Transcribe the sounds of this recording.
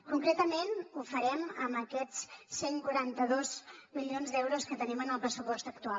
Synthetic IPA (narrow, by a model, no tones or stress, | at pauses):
kuŋkɾet̪əmenufəɾɛməməkɛt͡sseŋkuɾant̪əðozmilionzd̪ɛwɾuskət̪ənimənəlˠpɾəsupɔst̪əkt̪ua